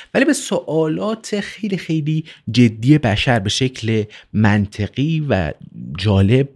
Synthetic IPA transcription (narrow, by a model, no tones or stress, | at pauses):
væliːbesoʔɒːlɒːt̪ʰe̞xe̞jlixe̞jliːd͡ʒe̞d̪ːiːje̞bæʃæɾbe̞ʃecʰle̞mænt̪ʰeɣ̥iːvæ̰d͡ʒɒːle̞b̥̚